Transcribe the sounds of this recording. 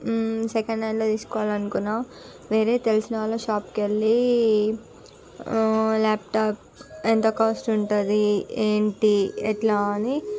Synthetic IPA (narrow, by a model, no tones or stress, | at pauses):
sekɐɳɖnajloːt̪iːsu̥kɔːʋaːlɐnukunːaː | ʋe̞ːɾe̞ːt̪elisinɐaːlːoːʃaːpkelːi | laːp̚ʈaːp̚ | ent̪okaːsʈuɳʈund̪ieːɳʈiɛʈlaːɐni